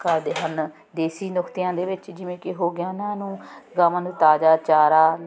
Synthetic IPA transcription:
kəɾd̪eːɦən | d̪eːsiːnʊkʰt̪ɪjãːd̪eːʋɪt͡ʃd͡ʒɪʋẽːkɪɦoːɡɪjãːnãːnũːɡaːʋãːnũːt̪aːd͡ʒaːt͡ʃaːɾaː

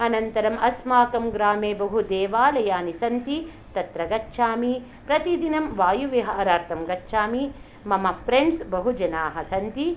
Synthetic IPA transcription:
ɐnɐnt̪ɐɾɐmɐsmaːkɐmɡɾaːmeːbɐɦud̪eːʋaːlɐjaːnisɐnt̪i | t̪ɐt̪ɾɐɡɐt͡ʃːʃʰaːmi | pɾɐt̪id̪inɐmʋaːjuʋeɦɐʔɐɾaːɾt̪ɐmɡɐtːʃʰaːmi | mɐmɐpʰɾeɳɖsbɐɦud͡ʒɐnaːɦɐsɐnt̪i

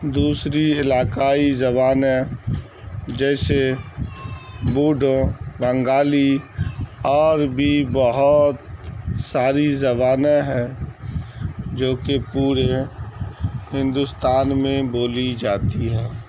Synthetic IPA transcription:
d̪uːsɾiɪlaːkaːizɐbaːne | d͡ʒɛːse | buːɖʱõbə̃ŋɡaːli | ɔːɾbʱibəɦʊt̪saːɾizəβaːnaɦɛː | d͡ʒoːkepuːɾe | hɪ̃nd̪ʊst̪aːnmẽboːlid͡ʒaːt̪iɦɛ̃ː

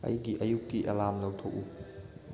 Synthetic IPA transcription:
ɐ̰jiɡiʔɐjukːiʔɐlamlɐwtʰoku

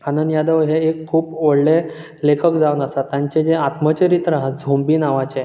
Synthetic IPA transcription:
kʰanənjad̪əʋɦeekʰːuːpʋəɽle | lekʰəkd͡zaʋənəsat̪ːjãɲt͡ɕed͡zeat̪mət͡ɕeɾit̪ɾaɦət̪̚d͡zʱombiːnaʋat͡ɕe

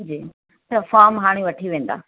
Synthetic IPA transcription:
d͡ʑiː | t̪ɐfaːɾmɦaːɽ̃iʋɐʈʰiʋẽːn̆d̪a̰ː

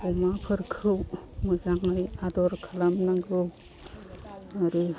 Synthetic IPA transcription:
ɔmapʰɯɾkʰɯwmɯzaŋɯjadɔɾkʰalamnaɡɯw | aɾi

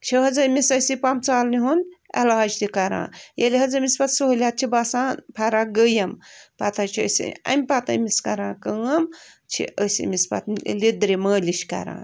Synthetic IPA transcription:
t͡ʃʰiɦɐzɐmisɐsipɐmt͡saːlniɦunɐ̰laːd͡ʒt̪ikɐɾã̰ːjelʲiɦɐzɐmispɐt̪suɦlʲat̪̚t͡ʃʰibasãːnpʰɐɾaɡəjɐmpɐt̪ɐt͡ʃʰiə̰sḭɐ̰mʲpɐt̪ɐ̰miskɐɾãːkəɐm | t͡ʃʰḭəsḭmispɐ̰t̪lid̪ɾiməːliʃkɐ̰ɾã̰ː

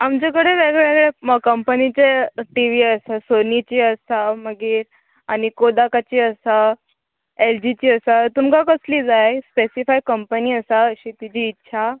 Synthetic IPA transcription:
amt͡ɕekəɽeʋeɡɭɭeɡɭeəkəmpənit͡ɕeʈiʋiəsasonit͡ɕiːəsaməɡiːɾ | añikod̪akat͡ɕiːəsa | eld͡ʑit͡ɕiːəsat̪umkakəsliːd͡zajspesifajkəmpəniːəsaəɕit̪it͡ɕiːtːɕʰa

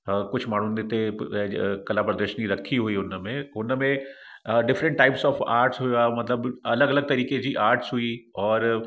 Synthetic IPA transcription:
kʊt͡ʃʰmaːɳ̤unet̪e | kɐlapɾəd̪əɾʃəniɾɐkʰːiɦuiʊnmẽʊnmẽ | ɖɪfɾə̃ɳʈːaːɪpsɔːfaːɾʈsɦujamɐt̪ləbɐləɡɐləɡ̚t̪ɐɾiːked͡ʑiʔaːɾʈsɦuiɔːɾ

